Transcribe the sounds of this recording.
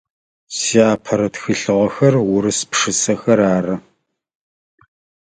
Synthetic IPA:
siaːpʰɐɾɐtxɨɬɨʁɐxɐrwʊɾɨspʂɨsɐxɐɾaːrɐ

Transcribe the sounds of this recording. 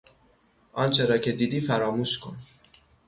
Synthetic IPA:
ʔɒnt͡ʃʰeɾɒcʰed̪iːd̪iːfæɾɒːmuʃkʰon

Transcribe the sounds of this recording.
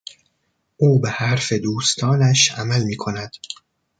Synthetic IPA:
ʔuːbehæɾfe̞d̪uːst̪ʰɒːnæʃʔæmælmiːkʰo̞næd̪̥

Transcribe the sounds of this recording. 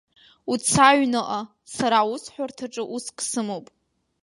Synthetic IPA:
ut͡sʰaɥnɨʔa | saɾausħʷartʰaʈ͡ʂʼɨʔuskʼsɨmowpʼ

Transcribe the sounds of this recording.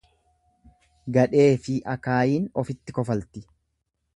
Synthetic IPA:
ɡɐᶑe̞ːfɪʔɐkaːjiːnɔfɪt̪ːɪkɔfɐlt̪ɪ

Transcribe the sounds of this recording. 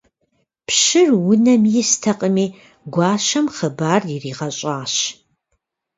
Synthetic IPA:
pʃɨrwʊnɐmjɪstʰɐqʼəmiː | ɡʷɑːʃɐmχəbaːrjɪriːʁɐɕʼaːɕ

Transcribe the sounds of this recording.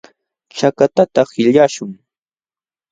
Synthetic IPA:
t͡ʃakat̪at̪ahɪʎaʃʊŋ

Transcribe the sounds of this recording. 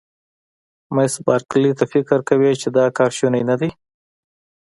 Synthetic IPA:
majsbɑɾklit̪afɪkɾkawit͡ʃed̪ɑkɑɾʃunajnad̪ij

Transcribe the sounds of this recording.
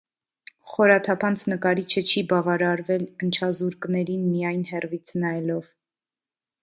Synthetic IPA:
χɔɾɑt̪ʰɑpʰɑnt͡sʰnəkɑɾit͡ʃʰət͡ʃʰibɑvɑɾɑɾvɛlənt͡ʃʰɑzuɾknɛɾinmijɑjnhɛrvit͡sʰnɑjɛlɔv

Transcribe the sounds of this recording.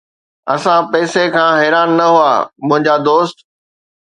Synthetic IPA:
ɐsãpɛːsekʰãːɦɛːɾaːnːɐɦua̰ːmʊ̃ɦɪ̃ɲd͡ʑad̪oːst̪

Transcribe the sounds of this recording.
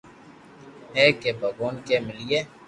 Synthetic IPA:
ɦɛːkebʱɐɡoːnkemɪlieː

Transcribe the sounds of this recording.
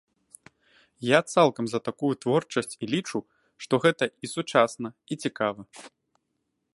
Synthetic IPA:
jat̪salˠkɐmzɐt̪akujut̪vɔrt͡ʂɐsʲt͡sʲilʲit͡ʂu | ʂt̪ɔɣɛt̪ɐisut͡ʂasnɐit͡sʲikavɐ

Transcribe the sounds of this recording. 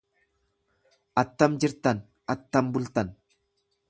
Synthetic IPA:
ʔɐt̪ːɐmd͡ʒɪɾt̪ɐn | ʔɐt̪ːɐmbʊlt̪ɐn

